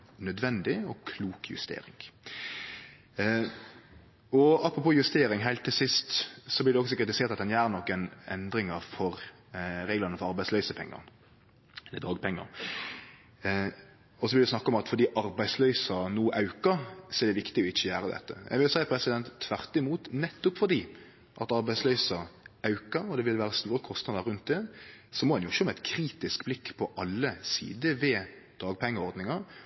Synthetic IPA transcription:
nœd̪ʋɛnd̪ɪɔkʰluːkjʉ̰st̪ḛːɾɪ̰ŋ | ɔɑpːɾʊpoːjʉst̪eːɾɪŋɦæɪlt̪ʰːɪlsɪst̪sɔblɪɾd̪ɛɔksɔkɾɪt̪ɪseːɾt̪ɑt̪̚d̪ɛnjæːɾnɔkːənɛ̰nd̪ɾɪŋəfɔɾ | ɾeːɡlɑnəfɔɾɑɾbæɪslœʏsəpʰɛ̰ŋːə̰ɾ | ɛlːəd̪ɾɑːɡ̚pʰɛŋːə̰ɾ | ɔsɔʋɪld̪ʊsnɑkːɑɔmɑt̪fɔd̪iːʔɑɾbæɪslœʏsɑnuːʔɑʉkəɾsɔɛɾd̪ɛʋɪkt̪ɪɔɪt͡ʃːəjæːɾəd̪ɛ̰t̪ːə̰jʔæ̰ɡʋɪljʊsæɪpʰɾɛsɪd̪ɛnt̪ʰːʋæʁt̪ɪmuːt̪nɛt̪ːʊpfɔd̪iː | ʔɑt̪ɑɾbæɪslœʏsɑɑʉkəɾɔd̪ɛʋɪlʋæːɾəst̪uːɾəkʰɔst̪nɑd̪əɾʉnt̪̚d̪ɛːsɔmɔɛnjʊɪʃːomæɪt̪kʰɾiːt̪ɪskblɪkːpʰɔʔɑlːəsḭːd̪əʋɛːd̪̥ɑːɡ̚pʰɛŋːəɔɾd̪nɪŋɑɾ

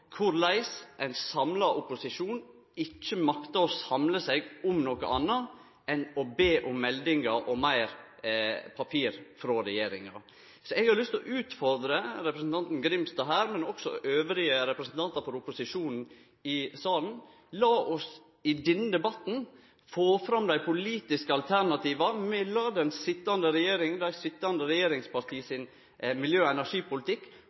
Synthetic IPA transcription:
kʰʊɾlæɪsʔæɪnsɑmlɑʔʊpʊsɪʂuːn | ɪt͡ʃːəmɑkt̪ɑɔsɑmləsɛɡʊmnoːkə̰ʔɑnːɑ | ɛnɔbeːʔʊmːɛld̪ɪŋɑʔɔmæɪɾ | pʰɑpʰiːɾfɾoːɾɛjeːɾɪŋɑ̰ | sɔɛɡhɑɾlʏst̪ɔʔʉːt̪fɔɾd̪ɾəɾɛpɾəsn̩t̪ʰɑnt̪n̩ɡɾɪmst̪ɑɦæːɾmɛnɔksɔ̰ʔøːʋɾɪəɾɛpɾəsn̩t̪ɑnt̪ɑɾfɔɾʊpːʊsɪʂuːnn̩ | ɪsɑːln̩ | lɑːʔɔs | ɪd̪ɛnːd̪ɛbɑt̪n̩ | foːfɾɑmd̪æɪpʰʊliːt̪ɪskəɑlt̪ʰæɾnɑt̪ʰiːʋɑmɛlɑːd̪ɛnsɪt̪ːɑnd̪əɾɛjeːɾɪŋd̪æɪsɪt̪ːɑnd̪əɾɛjeːɾɪŋspɑɾt̪ʰiːsɪn | mɪljøːɛnæʂiːpʊlɪt̪ʰɪkː

